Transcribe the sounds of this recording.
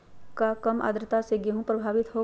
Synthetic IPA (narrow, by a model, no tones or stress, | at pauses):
kakɐmʔa̰ːd̪ɾət̪aseɡeɦũpɾəbʱaːʋɪt̪ɦo